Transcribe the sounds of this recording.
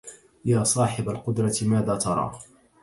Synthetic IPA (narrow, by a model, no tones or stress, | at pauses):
jaːsˤɑːħɪbalqʊd̪ɾˤɑt̪ɪmaːðaːt̪ɑɾˤɑ̰ː